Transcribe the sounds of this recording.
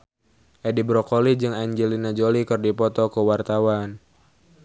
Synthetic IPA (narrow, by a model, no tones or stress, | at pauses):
ʔedibɾɔkolid͡ʒɨŋaɲd͡ʒɛlinad͡ʒolikɨrdipɔt̪ɔkəwart̪awan